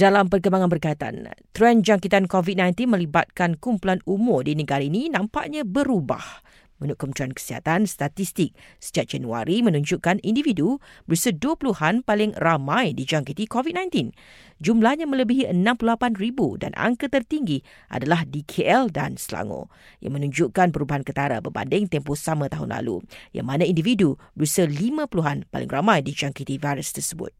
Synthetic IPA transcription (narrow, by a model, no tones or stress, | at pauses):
d̥alampərkəmbaŋanbərkait̪a̰nt̪ɾɛnd͡ʒaŋkit̪ankovit̪̚nãjnt̪inmə̃libat̪̚kankumpulanumʊrdinəɡaɾainĩnãmpaʔɲãbəɾuba̰h | mə̃nukʊmt̪ɾɛnkə̥siɦa̰t̪anst̪at̪ist̪ɪk̚sə̥d͡ʒaʔ̚d͡ʒanua̰ɾimə̃nũɲd͡ʒuʔkanindividubərsəduəpuluhanpalɪŋramãjdid͡ʒaŋkit̪ikovit̚nãjnt̪in | d͡ʒumlahɲamə̃ləbiɦiʔənãmpululapanribuda̰na̰ŋkət̪ərt̪iŋɡi | ʔa̰dalahdikʰeʔɛlda̰nsla̰ŋo̰ | ja̰ŋmənũɲd͡ʒuʔkanpəɾubaɦankət̪aɾa̰bərba̰ndɪŋt̪ɛmposamãt̪aɦʊ̰nla̰lṵja̰ŋmanãindividubəɾusəlimãpəluɦanpa̰lɪ̰ŋramãjdid͡ʒaŋkit̪ivajɾəst̪ərsəbʊ̰t̪̚